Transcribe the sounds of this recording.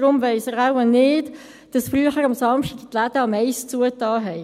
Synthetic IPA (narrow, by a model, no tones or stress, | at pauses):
ɾʊmvɛɪsəʁaʊənɪːt | d̥ɑsfryəχəɾɑmsɑmʃtiɡtlad̥əɑmɛɪst͡suətɑːɦɛɪ